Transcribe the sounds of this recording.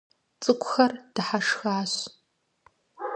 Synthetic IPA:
t͡sʼɨkʷʰʼʊxɐrd̥ɨħaʂxaːɕ

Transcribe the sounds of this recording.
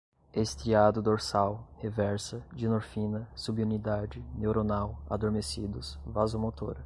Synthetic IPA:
est̪ɾiad̪ʊd̪oɾsawhevɛɾsɐd͡ʒɪnoɾfĩnɐsubiunid̪ad͡ʒɪnewɾonawa̰d̪oɾmesid̪ʊsvazomot̪o̰ɾɐ

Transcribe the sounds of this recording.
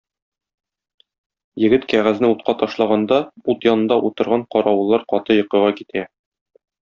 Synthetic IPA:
jɘ̆ɡɘt̪kæʁæznɘut̪̚qɑt̪ɒʃlˠɑʁɑnd̪ɑut̪jɒnɤ̆nd̪ɑʔut̪ɤ̆ɾʁɑɴqɒɾɑwɤ̆lˠːɑɾqɒt̪ɤjɤ̆qɤ̆ʁɑkit̪ʰæ

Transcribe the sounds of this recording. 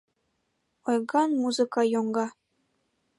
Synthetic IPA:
ojɡɑnmuzɨkɑjoŋɡɑ

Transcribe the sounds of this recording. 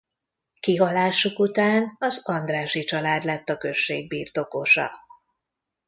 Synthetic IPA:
kiɦɒlaːʃukut̪aːnɒzɒnd̪raːʃit͡ʃɒlaːd̪lɛt̪ːɒkø̞ʃːeːɡ̚biːrt̪o̞koʃɒ̰

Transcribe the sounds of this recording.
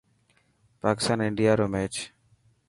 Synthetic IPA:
paːkɪ̥st̪aːnɪɳɖijaːɾoːmeːt͡ʃ

